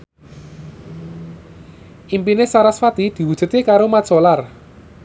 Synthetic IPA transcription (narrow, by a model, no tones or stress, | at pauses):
ʔimpinesaɾasfat̪id̪̥i̤wud̥ʒ̥ṳt̪ekaɾomḁsolar